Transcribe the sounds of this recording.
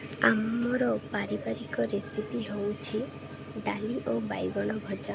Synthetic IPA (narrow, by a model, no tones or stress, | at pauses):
amɔɾɔpaɾibaɾikɔɾesipiɦowt͡ʃʰi | ɖaliʔobajɡɔɽ̃ɔbʱɔd͡ʒa